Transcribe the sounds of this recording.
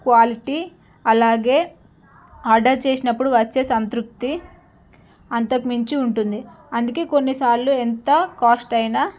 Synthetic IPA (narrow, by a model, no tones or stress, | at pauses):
kʋaːliʈi | ɐlaːɡe̞ː | aːɾɖɐɾt͡ʃe̞ːsinɐpːuɽuʋɐt͡ʃːeːsɐnt̪ɾuk̚t̪i | ɐnt̪ɐkimiɲt͡ʃiuɳʈund̪i | ɐnd̪ukeːko̞nːisaːɾluent̪ɐkaːsʈɐjnaː